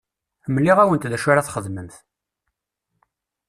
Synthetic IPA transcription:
mlːiʁæwənt̪ðæʃuɾaθχəðməmθ

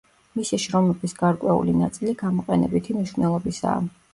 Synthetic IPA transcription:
misiʃɾɔmɛbisɡaɾkʼwɛṵlinat̪sʼiliɡamɔqʼɛnɛ̰bit̪ʰimniʃvnɛlˠɔbisa̰ː

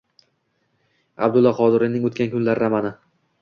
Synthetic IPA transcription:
a̰bd̪ʊlˠːɒqʰɒd̪ɪɾinɪŋot̪kʲʰankʰʊnlaɾɾamanɪ

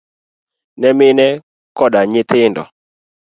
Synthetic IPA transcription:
nɛmɪnɛ | kɔdaɲɪt̪ɪndɔ̰

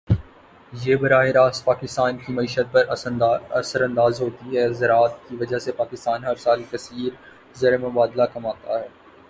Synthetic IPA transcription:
jeːbɐɾaːɦeɾaːspaːkɪst̪aːnkimɐiːʃət̪̚pɐɾɐsəɾɐ̃nd̪aːzɦoːt̪iɦɛːzɐɾaːt̪̚kiʋɐd͡ʒaɦsepaːkɪst̪aːnɦɐɾsaːlikɐsiːɾ | zeːɾemʊbaːd̪lakɐmaːt̪aɦɛː

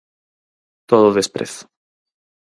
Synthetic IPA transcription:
t̪oðoðespɾḛθ

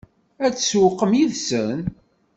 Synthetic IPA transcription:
æt͡sːswəqːəmjiðsən

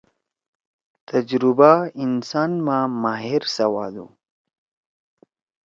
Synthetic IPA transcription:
t̪ʰɐd͡ʒɾʊbainsaːnmamaːɦiɾsɐwaːd̪ṵ

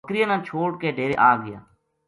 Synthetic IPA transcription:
kɾɪjaːnãːt͡ʃʰoːʈkeːɖʱeːɾḛːʔaːɡɪja̰ː

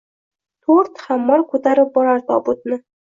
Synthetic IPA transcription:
t̪ʰoɾt̪χamːɒɾkʰɵt̪aɾɪp̚bɒɾaɾd̪ɒbʊt̪̚nɪ

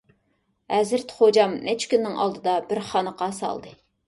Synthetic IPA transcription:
hɛzɪɾt̪χod͡ʒɑmnʔɛt͡ʃʰkʲynːɪŋɑ̰lˠd̪ɨd̪ɑbɪɾχɑnəqɑsɑ̰lˠd̪ɨ

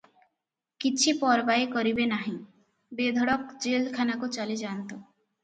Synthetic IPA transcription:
kit͡ɕʰipɔɾbaekɔɾibenaɦĩ | bed̪ʱɔɽɔkd͡ʑelkʰanakot͡ɕalid͡ʑant̪o

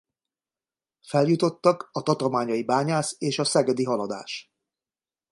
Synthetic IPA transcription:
fɛljut̪o̞t̪ːɒkɒt̪ɒt̪o̞lmaːɲɒjibaːɲaːseːʃɒsɛɡɛd̪iɦɒlɒd̪a̰ːʃ

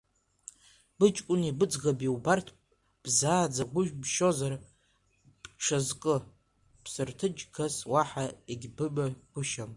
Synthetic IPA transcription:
b̥ɨt͡ʃʼkʷʼʊnibɨd͡zɣabiwbartʰ | b̥zaːd͡zaɡʷʊʒᶣbʃo̞zar | ʂazkʼɨ | pʰsɨrtʰɨd͡ʒɡaswaħaeɡʲbɨbaɡʷʊʃam

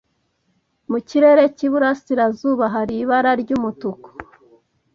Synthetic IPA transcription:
muciɾe̞ɾe̞ciβuɾasiɾazuːβaɦaɾiβaɾaɾɟuːmutuko̥

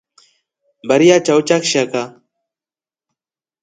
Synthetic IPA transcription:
bɐɾijat͡ʃaut͡ʃakʃaka

